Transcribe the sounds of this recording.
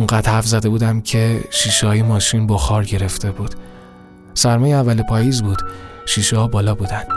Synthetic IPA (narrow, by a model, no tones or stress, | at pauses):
uŋɢæd̪̥hæfzæd̪e̞buːd̪æmcʰe̞ʃiːʃehɒːjemɒːʃinbɒxɒːɾɟe̞ɾe̞ft̪e̞buːd̪̥ | sæɾmɒːjeævːælepʰɒːjiːzbuːd̪̥ʃiːʃehɒːbɒːlɒːbuːd̪ænd̪̥